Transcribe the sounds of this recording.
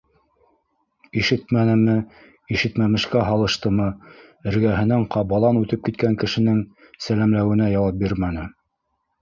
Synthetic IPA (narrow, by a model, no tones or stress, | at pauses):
iʃɘt̪mænɘ̆mɘ | iʃɘ̆t̪mæmɘ̆ʃkæɦɑlˠɤ̆ʃt̪ɤmɤ | ɘ̆ɾɡæɦɘ̆næɴqʰɑbɑlˠɑnʉt̪ɘp̚kit̪̚kæŋkɘ̆ʃɘ̆nɘŋ | sælæmlæwɘ̆næjɑwɑp̚biɾmænɘ